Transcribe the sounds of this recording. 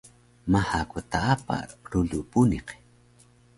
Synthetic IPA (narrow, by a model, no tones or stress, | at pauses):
mahakut̪aapa̰ɾulupuniq